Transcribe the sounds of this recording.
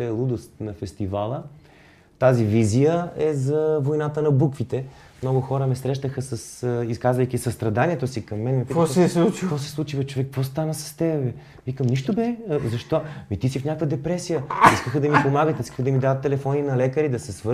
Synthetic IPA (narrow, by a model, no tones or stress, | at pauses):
ɛɛlˠud̪ʊst̪nɐfɛst̪ivalˠə | t̪azivizijəɛzɐvojnat̪ənɐbukvit̪ɛ | mnɔɡʊxɔɾəmɛsɾɛʃt̪əxəsɐsiskazvɐjkʲisɐst̪ɾɐd̪aniɛt̪osikɐmːɛnmɛpitk̪ɛut͡ʃkɔsɛ̥slˠut͡ʃivɐt͡ʃovɛk̚kvɔst̪anəsɐ̥st̪ɛbɛ | vikəmniʃt̪obɛzɐʃt̪ɔmit̪isifnʲakvəd̪ɛpɾɛsijəiskəxəd̪ɐmipomaɡət̪iskə̥xd̪ɐmid̪avət̪ːɛlɛfɔninɐlɛkəɾid̪ɐsɛsvə